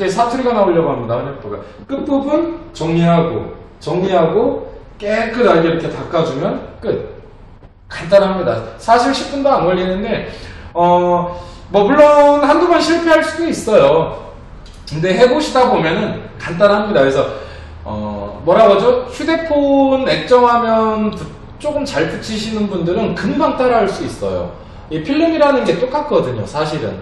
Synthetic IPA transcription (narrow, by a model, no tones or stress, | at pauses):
d͡ʑe̞sʰatʰuɾiɡanaoiʎːjʌɡoɦamɲidaɯɲʌpʰoɡa̰ | k͈ɯp͈ubunt͡ɕʌŋɲiɦaɡo̰ | t͡ɕʌŋɲiɦaɡo | k͈ekʰɯdaɾɯɡeiɾʌkʰe̞tak͈ad͡ʑumjʌnk͈ɯt̚ | kant͈anɦamɲida̰sʰaɕʰiɭɕʰi̥p̚p͈undoanɡwʌʎːinːɯnde̞ʌ | mʌpuɭːonhandumanɕʰiɭpʰeɦaɭs͈udois͈ʌjo | kɯnde̞ɦe̞boɕʰidabomjʌnɯnkant̬͈anɦamɲidakɯesʰʌ | ʌ̰mwʌɾaɡad͡ʑoɕʰude̞pʰone̞k̚t͡ɕ͈ʌŋɦamjʌnku | t͡ɕ͈ok͈ɯmt͡ɕaɭput͡ɕʰiɕʰinɯnbundɯɾɯnkɯnbaŋt͈aɾɯɦaɭs͈uis͈ʌ̰jo̰ | epʰiɭːɯmiɾanɯnɡe̞t͈ok͈at̚k͈ʌdɯɲo̰sʰaɕʰiɾɯ̰n